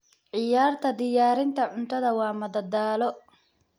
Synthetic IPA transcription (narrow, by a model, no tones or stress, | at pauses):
ʕɪjaːrt̪ʰɐd̪ɪjaːɾɪnt̪ʰɐʕʊnt̪ʰɐðɐwɑːmɐd̪ɐd̪aːlɔ